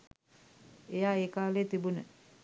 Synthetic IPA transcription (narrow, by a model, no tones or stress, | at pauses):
ejaekalet̪ibunə